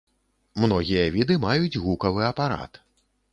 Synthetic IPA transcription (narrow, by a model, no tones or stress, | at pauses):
mnɔɣʲijɐvʲid̪ɨmajud͡zʲɣukɐvɨɐpaɾa̰t̪